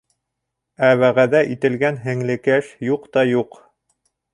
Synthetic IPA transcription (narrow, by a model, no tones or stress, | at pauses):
æβæʁæðæʔit̪ɘ̆lɡænɦɘ̆ŋlɘ̆kæʃjuqt̪ɑjuq